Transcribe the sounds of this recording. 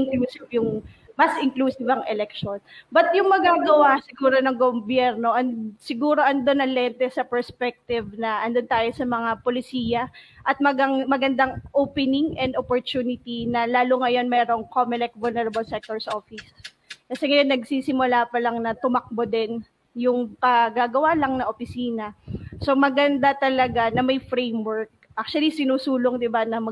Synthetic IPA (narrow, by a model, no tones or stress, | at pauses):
ʔɪŋkluːsɪvjʊŋ | mɐsʔɪŋkluːsɪvɐŋʔɛlɛkʃo̞nbɐt̪jʊŋmɐɡaːɡɐwasɪɡuːɾo̞nɐŋɡobjɛɾno̞ʔɐnsɪɡuːɾo̞ʔɐnd̪onɐlɛnt̪ɛsɐpɛɹspɛk̚t̪ɪvnɐʔɐnd̪ont̪aːjosɐmɐŋapolɪsiːjɐʔɐt̪̚mɐɡaŋmɐɡɐnd̪aŋʔoːpɛnɪŋʔɛnd̪ʔopoɹt̪uːnɪt̪inɐlaːloŋɐjo̞nmɛːɾo̞ŋkomɪlɛk̪̚vʊlnɛɾɐbɐlsɛk̚t̪oɹsʔoːfɪs | kɐsɛŋɐjonːɐɡsiːsɪmʊlaːpɐlɐŋnɐt̪ʊmɐk̚bod̪ɛn | jʊŋpɐɡaːɡɐwalɐŋnɐʔopɪsiːnɐso̞mɐɡɐnd̪at̪ɐlɐɡanɐmɐjfɾejmwɛɹk̚ʔak̚t͡ʃwɐlisɪnuːsuːloŋd̪ɪbanɐmɐ